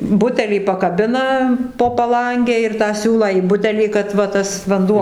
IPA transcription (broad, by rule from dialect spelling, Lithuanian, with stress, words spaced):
ˈbʊtʲɛlʲiː pɐkɐˈbʲɪnɐ poː pɐˈlˠɐŋʲɡʲɛ ɪr tɑː ˈsʲuːlˠɑː iː ˈbʊtʲɛlʲiː kɐt ʋɐ ˈtɐs ʋɐnˈduɔ